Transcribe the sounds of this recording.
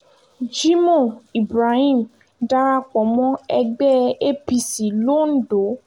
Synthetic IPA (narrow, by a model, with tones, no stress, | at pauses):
d͡ʒi˦mõ˦˨i˨bɾa˧hĩ˦˨m˨ | da˧ɾa˧k͡pɔ̃˨mɔ̃˦ɛ˧ɡ͡bɛ˦e˦pi˧si˨lo˦n̩˦do˨˦